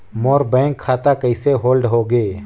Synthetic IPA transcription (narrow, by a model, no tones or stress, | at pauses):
moːɾbɛ̃ːŋkʰːaːt̪akəɪseɦoːlɖɦoɡeː